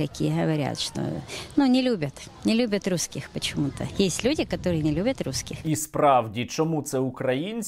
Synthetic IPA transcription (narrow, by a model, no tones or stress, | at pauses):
kɐkʲijəɦəʋɐɾʲa̰t̪ʂt̪o̰nunʲɪlʲubʲət̪ | nʲɪlʲubʲɐt̪ruskʲɪxpət͡ɕɪmut̪ə̰jesʲtʲlʲudʲɪkɐt̪oɾɨjənʲɪlʲubʲət̪ɾuskʲɪxispɾɑwdʲit͡ʃɔmut̪sɛʊkɾɐjinʲsʲ